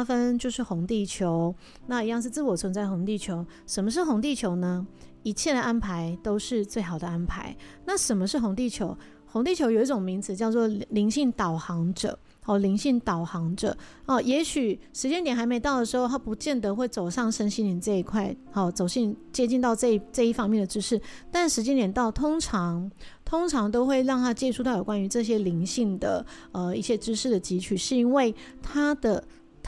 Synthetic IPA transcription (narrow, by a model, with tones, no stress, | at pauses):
fə˦nt͡ɕjo˥˧ʊʂɻ̩˥˩xʊ˧˥ŋt̪i˥˩t͡ɕʰjo˧˦ʊ | na˥˧i˧˥jɑ˥˧ŋʂ̬̩˥˧t͡sɹ̩˥˩wɔ˨˩t͡sʰwə˧˥nt͡sa˥˩ɪxo˧˥ŋt̪i˥˩t͡ɕʰjo˧˦ʊʂə˨˩nmə˦ʂ̬̩˥˩xʊ˧˥ŋt̪i˥˩t͡ɕʰjo˧˥ʊnə˧ | i˧˥t͡ɕʰjɛ˥˩d̪ə˩ʔa˦˥npʰa˧˥ɪt̪o˥ʊʂɻ̩˥˧t͡swe˥˩ɪxɑ˨˩d̪ə˩a˦˥npʰa˧˦ɪna˥˩ʂə˨˩mə˦ʂɻ̩˥˩xʊ˧˥ŋt̪̬i˥˩t͡ɕʰjo˧˥ʊ | xʊ˧˥ŋt̪i˥˩t͡ɕʰjo˧˥jo˨˩ʊi˥˩ʈ͡ʂo˨˩ŋmi˧˥ŋd͡zɹ̩˨˩t͡ɕjɑ˥˧ʊt͡swɔ˥˩li˧˥ŋɕi˥˩ŋt̪ɑ˨˩ʊxɑ˧˥ŋʈ͡ʂə̰˨˦ | hɔ˥˨˩li˧˥ŋɕi˥˩ŋt̪ɑ˨˩ʊxɑ˧˥ŋʈ͡ʂə̰˨˦ɔ˥˩jɛ˧˥ɕy˨˩ʂɻ̩˧˥t͡ɕjɛ˥nt̪jɛ˨˩nxa˧˥ɪme˧˥ɪɑ˥˩ʊd̪ə˩ʂɻ̩˧˥xo˥˧ʊt̪ʰa˥pu˧˥t͡ɕjɛ˥˩nd̪ə˨xwe˥˩ɪt͡so˨˩ʊʂɑ˥˩ŋʂə˥nɕi˥ni˧˩nt͡sɤ˥˧i˧˥kʰwa˥˩ɪxɔ˥˩t͡so˨˩ʊɕi˥˩ŋt͡ɕjɛ˥t͡ɕi˥˧nt̪ɑ˥˧ʊʈ͡ʂɤ˥˧i˩ʈ͡ʂɤ˥˧i˥˩fɑ˥ŋmjɛ˥˩nd̪ə˩ʈ͡ʂɻ̩˥ʂɻ̩˥˩t̪a˥˩nʂɻ̩˧˥t͡ɕjɛ˥nt̪jɛ˨˩nt̪ɑ˥˩ʊt̪ʰʊ˥ŋʈ͡ʂʰɑ˧˦ŋt̪ʰʊ˥ŋʈ͡ʂʰɑ˧˥ŋt̪o˥ʊxwe˥˧ɪɻɑ˥˩ŋt̪ʰa˥t͡ɕjɛ˥˧ʈ͡ʂʰu˥t̪ʰɑ˥˩jo˨˩kwa˥ny˧˥ʈ͡ʂɤ˥˩ɕ̬jɛ˦˥li˧˥ŋɕi˥˩ŋd̪ə̰˩ | ə˨˩i˥˩ɕjɛ˥ʈ͡ʂɻ̩˥ʂɻ̩˥˩d̪ə˩t͡ɕi˧˥t͡ɕʰy˨˩ʂɻ̩˥˩i˥nwe˥˩ɪt̪ʰa˥d̪ə˨